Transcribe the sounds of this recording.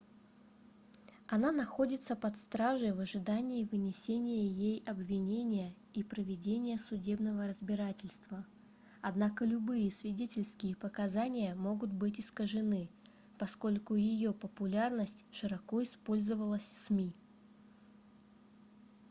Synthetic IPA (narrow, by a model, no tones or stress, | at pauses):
ɐnanɐxo̞dʲɪt̪səpɐt̪st̪ɾaʐɨjvəʐɨd̪anʲɪːvɨnʲɪsʲenʲɪjəjejɐbvʲɪnʲenʲɪjə | ipɾəvʲɪdʲenʲɪjəsʊdʲe̞bnəvəɾəzbʲɪɾatʲɪlʲst̪və | ɐd̪nakəlʲʊbɨjəsvʲɪdʲetʲɪlʲskʲɪjəpəkɐzanʲɪjəmo̞ɡʊt̪bɨtʲɪskəʐɨnɨ | pɐsko̞lʲkʊjɪjo̞pəpʊlʲarnəsʲtʲʂɨɾɐko̞ɪspo̞lʲzəvəlˠəsʲsmʲi